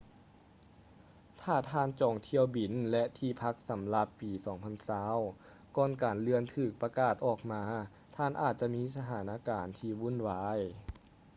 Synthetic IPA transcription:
t̪ʰaː˧˩t̪ʰaː˧˨nt͡ɕɔː˨˩ŋt̪ʰi˧əwbi˨˩nlɛ˧ʔt̪ʰiː˧˩pʰa˧˥k̚sa˨˦mla˧pːiː˨˩sɔː˩˦ŋpʰa˧˥˨nsaː˧˥w | kɔː˧˩nkaː˨˩nlɯ˧ənt̪ʰɯː˧˩k̚pa˧kaː˧˩t̪̚ʔɔː˧˩k̚maː˧˥ | t̪ʰaː˧˩nʔa̰ː˧˩t̪̚t͡ɕa˧miː˧˥˨sa˧t̪ʰaː˩˦nʔaː˧˥kaː˨˩nt̪ʰiː˧˩wu˧˥˨nwaː˧j

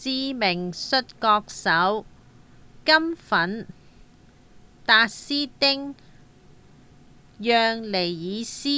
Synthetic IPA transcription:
t͡siː˧mɪ˨˩ŋsɵ˧t̚kɔː˧k̚sɐ˨˥w | kɐ˥mfɐ˨˥n | t̪aː˧t̚siː˥t̪ɪ˥ŋ | jœː˨˧ŋle˨˩jjiː˨˧siː˥

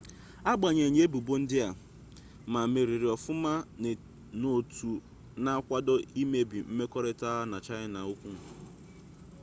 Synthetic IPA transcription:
a˦ɡ͡ba˨ɲe˨ɲe˦bu˨bo˦n̩˦dɪ˦a˨ | ma˨me˨ɾi˨ɾɪ˨ɔ˨fʊ˦ma˦˨ | no˨tu˨ | na˦kʷa˦dɔ˦i˦me˦bi˨m̩˦me˦kɔ˦ɾe˦ta˦na˨t͡ʃa˦ɲɪ˦na˨u˦kʷu˦ŋ̩˨

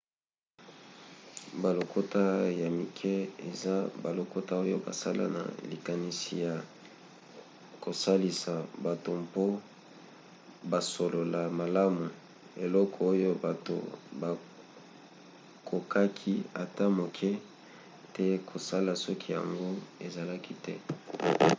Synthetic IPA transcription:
ba˨lo˨kʰo˦ta˦ja˨mi˨kʰɛ˦e˨za˦ba˨lo˨ko˦ta˦o˦jo̰˦ba̰˨sa˦la̰˦na̰˨li˨ka˨ni˨si˨ja˨ | ko˨sa˦li˨sa˨ba˨to˨mpo˦ | ba˨so˨lo˨la˨ma˨la˦mu˨ | e˨lɔ˦kʰɔ˨o˦jo˦ba˨to̰˨ba˨ | kʰo˨kʰa˦kʰi˦a˨ta˦mo˨kʰɛ˦ | tɛ˦kʰo˨sa˦la˨sɔ˦kʰi˦ja̰˨ŋɡo˦e˨za˨la˦ki˦tɛ˦

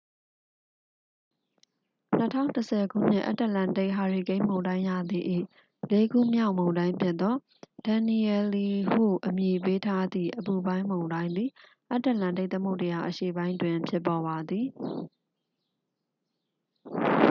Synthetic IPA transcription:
n̥ətʰã̰˦˨ʊ̃ntəsʰɛ˨ɡṵ˦˨n̥ɪ̰̃˦ʔa̰˦tə˦˨lã˨de˦ɪʔɦa˨ɹi˨ɡẽ˦ɪ̃mõ˨ʊ̃dã˦ɪ̃ja̰˦˨d̪ði˦˨ʔḭ˦˨ | le˦ɡṵ˦˨mja˦ʊʔmõ˨ʊ̃ndã˦ɪ̃mpʰjɪ˦t̪ːɔ˦ | d̥ã˨ni˨ɛ˨li˨hṵ˦˨ʔəmji˨pe˦tʰa˦d̪ðḭ˦˨ʔəpu˨bã˦ɪ̃mõ˨ʊ̃ndã˦ɪ̃nd̪ði˨ | ʔa˦tːə˦˨lã˨nde˦˨t̪ə˦mo˦ʊntə˨ja˨ʔəʃḛ˦˨bã˦ɪ̃ndwɪ̃˨pʰjɪ˦pːɔ˨βa˨d̪ði˨

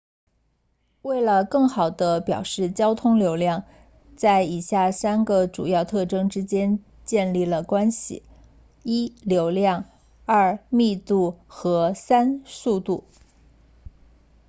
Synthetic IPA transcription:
we˥˩ɪlə˩kɤ˥˩ŋxɑ˨˩ʊd̪ə˦pjɑ̰˨˩ʊʂɻ̩˥˩t͡ɕjɑ˥ʊt̪ʰʊ˥ŋljo˧˥ʊljɑ˥˧ŋ | t͡sa˥˩ɪi˨˩ɕja˥˩sa˥nɡə˨ʈ͡ʂu˨˩jɑ˥˧ʊt̪ʰɤ˥˩ʈ͡ʂɤ˥ŋʈ͡ʂɻ̩˥t͡ɕjɛ˥n | t͡ɕjɛ˥˧nli˥˩lə˩kwa˥nɕḭ˨˩ | i˥ljo˧˥ʊljɑ˥˧ŋ | ɐ˞˥˩mi˥˧t̪u˥˩xɤ˧˥sa˥nsu˥˧t̪u˥˩

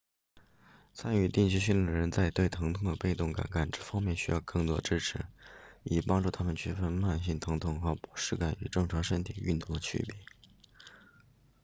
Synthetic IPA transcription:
t͡sʰa˥ny˥˧t̪i˥˧ŋt͡ɕʰy˥ɕ̬y˥˩li˥˩d̪ə˩ɻə˧˥nt͡sa˥˧ɪt̪we˥˩ɪt̪ʰɤ˧˥ŋt̪ʰʊ˥˩ŋd̪ə˧˩pe˥˧ɪt̪ʊ˥˩ŋka̰˨˩nka˨˩nʈ͡ʂɤ˥˩fɑ˥ŋmjɛ˥˩nɕy˥jɑ˥˧ʊkɤ˥˩ŋt̪wɔ˥ʈ͡ʂɻ̩˥ʈ͡ʂʰɻ̩˧˥i˨˩pɑ˥ŋʈ͡ʂu˥˩t̪ʰa˥mə˨nt͡ɕʰy˥˩fə˥nma˥˧nɕi˥˩nt̪ʰɤ˧˥ŋt̪ʰʊ˥˩ŋxɤ˧˥pu̥˧˥ʂɻ̩˥˩ka˨˩ny̰˨˩ʈ͡ʂɤ˥˩ŋʈ͡ʂʰwɑ˧˥ʂə˥nt̪ʰi˨˩y̰˥˧nt̪ʊ˥˩ŋd̪ə˩t͡ɕʰy̰˥˩pɛ̰˨˩˦

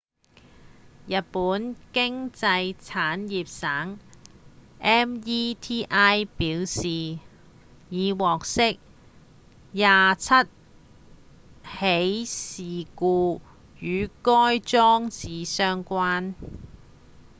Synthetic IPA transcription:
jɐ˨t̚puː˨˥nkɪ˥ŋt͡sɐ˧jt͡sʰaː˨˥njiː˨p̚saː˨˥ŋ | ʔɛː˥miː˥t̪ʰiː˥ʔaː˥jpiː˨˥wsiː˨ | jiː˨˧wɔː˨k̚sɪ˥k̚ | jaː˨t͡sʰɐ˥t̚ | he˨˥jsiː˨kuː˧ | jyː˨˧kɔː˥jt͡sɔː˥ŋt͡siː˨sœː˥ŋkʷaː˥n

